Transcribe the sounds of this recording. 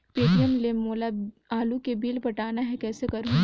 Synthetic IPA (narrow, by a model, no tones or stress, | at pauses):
peːɖiəmlemoːla | aːlukebiːlpɐʈaːnaɦɛkɛːsekɐɾũ